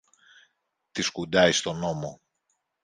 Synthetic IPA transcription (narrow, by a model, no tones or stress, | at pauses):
t̪iskud̪ɐist̪o̞no̞mo̞